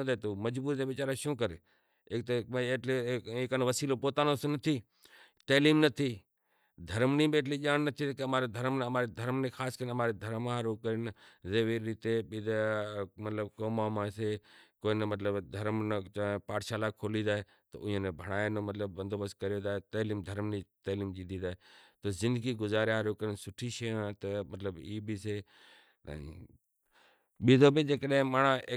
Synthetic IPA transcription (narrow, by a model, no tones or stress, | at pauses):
d̪at̪omɐd͡ʒbuːɾd̪eʋɪt͡ʃaːɾaʃõːkəɾe | eːk̚t̪eʈleeːkənʋɐsiːlopoːt̪aːnõsnɐt̪ʰiː | t̪ɐːliːmnɐt̪ʰiː | d̪ʱɐɾmnĩɓeːʈʰliʄaːnnɐt̪ʰit̪kɐmaːɾed̪ʱəɾmnmaːɾed̪ʱɐɾmnẽxʰaːskəɾnɐmaːɾed̪ʱɐɾmaaɾoːkəɾinzeːʋiɾit̪eɓid̪amɐt̪ləbkoːmãːmãːsekoːinəmɐt̪ləbd̪ʱɐɾmnət͡ʃːpaːʈʃaːlakʰoːliːd̪aːɦe | t̪o̰ʔʊ̃ẽnebʱəɽ̃aːenoːmɐt̪ləbːə̃nd̪oːbəskəɾijoːd̪aːɦet̪ɐːliːmd̪ʱəɾmnit̪ɐːliːmd͡ʒiːd̪iːd̪aːet̪oːzɪ̃nd̪əɡiːɡʊzaːɾãɦɾoːkəɾɪnsʊʈʰiʃeːãt̪ɐmɐt̪ləbiːbisḛː | ɓiːd̪oːbɪd͡ʒeːkəɗɦẽmaːɽae